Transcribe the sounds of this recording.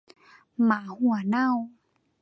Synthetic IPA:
maː˨˩˦hu˧˩ə˦na˥˩˨w

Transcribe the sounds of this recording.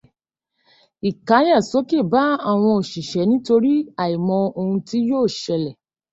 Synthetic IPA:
i˨kã˨˦jã˦˨so˨˦ke˦˨ba˨˦a˦˨w̃ɔ̃˧o˨ʃi˨ʃɛ˨˦nĩ˦to˧ɾi˦a˨i˨mɔ̃˧o˧hũ˧ti˦joː˦˨ʃɛ˧lɛ˨

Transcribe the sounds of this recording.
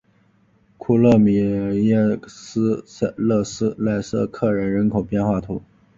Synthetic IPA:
kʰu˥˩lɤ˥˩mi˨˩jɛ˥˩sɹ̩˥˧lɤ˥˩sɹ̩˥la˥˧ɪsɤ˥˧kʰɤ˥˩ɻə˧˥nɻə˧˥nkʰo˨˩ʊpjɛ˥˧nxwa˥˩t̪ʰu˧˥

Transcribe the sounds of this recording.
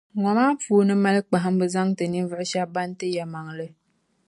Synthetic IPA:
ŋɔ˨maː˦fuː˦nɨ˦ma˦lɨ˦k͡pa˨ɦɨ˦m˦bɨ˦za˦ŋtɨ˨ni˦n˦vɨ˦ʔɪ˦ʃa˦ba˦n˦tɨ˦ja˨ma˨ŋlɨ˦

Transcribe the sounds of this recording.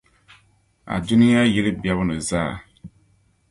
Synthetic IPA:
a̰˨du˦ni˦ja˦ji˦lɨ˦bja˦βɨ˦nɨ˨zaː˦˨

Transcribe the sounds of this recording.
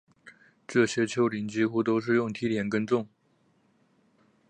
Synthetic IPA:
ʈ͡ʂɤ˥˩ɕjɛ˥t͡ɕʰjo˥ʊli˧˥nt͡ɕi˥xu˥t̪o˥ʊʂ̬ɻ̩˥˧jʊ˥˩ŋt̪ʰi˥t̪ʰjɛ˧˥nkə˥nt͡sʊ˥˩ŋ

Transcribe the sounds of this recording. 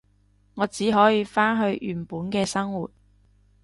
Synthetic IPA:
ŋɔː˨˧t͡siː˨˥ɦɔː˨˥jiː˧faː˥nɦɵ˧ɥʔyː˨˩npuː˨˥nkɛː˧sɐ˥ŋwuː˨t̚

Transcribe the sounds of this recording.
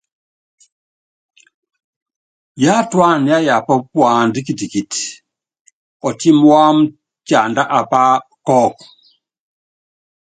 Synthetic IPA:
ja˦twa˦˨n˨a˦ja˨pɔ˦pwa˨ndi˦ki˨ti˨ki˨ti̥ | ɔ˨ti˦m˦wa˦m̩˦ | t͡ʃa˨nda˦ʔa˨pa˦kɔ˦k

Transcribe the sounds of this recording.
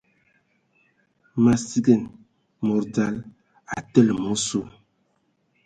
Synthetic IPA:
ma˨si˦ɡə˦˨n | mɔ˨ɾda˨˦l | a̰˨tə˦lmo˦so˦˨

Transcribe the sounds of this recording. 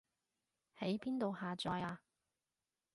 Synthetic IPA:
he˨˥jpiː˥nt̪o˨whaː˨t͡sɔː˧jaː˧

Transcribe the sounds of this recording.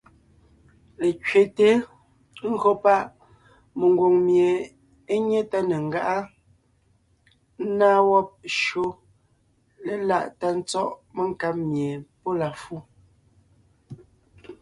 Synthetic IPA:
le˨cɥe˨te˦ | ŋ̩˦ɣo˦pa˦ʔ | me˨ŋ˨ɡwo˨ŋmje˨ | e˦ɲe˦ta˦ne˨ŋ̩˨ɡa˦ʔa˦ | n̩˦naː˦wɔ˦p̚ʃo˦ | le˨la˦˨ʔta˦n̩˦t͡sɔ˦ʔme˦ŋka˦p̚mje˨po˦la˨fu˦

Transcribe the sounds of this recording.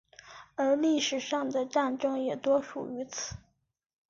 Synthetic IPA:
ə˞˧˥li˥˩ʂɻ̩˨˩ʂɑ˥˩ŋd̪ə˩ʈ͡ʂa˥˩nʈ͡ʂɤ˥ŋjɛ˨˩t̪wɔ˥ʂṵ˨˩y˧˥t͡s̩ʰ˨˧˦

